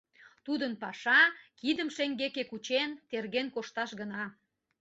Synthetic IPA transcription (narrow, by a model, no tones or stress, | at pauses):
t̪ud̪ənpɑʃɑkid̪əmʃeŋɡekekut͡ɕent̪erɣenkoʃt̪ɑʃɣənɑ